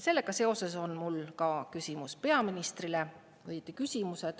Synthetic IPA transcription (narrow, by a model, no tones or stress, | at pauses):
se̞lːe̞ɡ̥ɑse̞o̞se̞so̞nmulkɑkysimuspe̞ɑminist̪rile | ɤjt̪ikysʲimuse̞d̪̥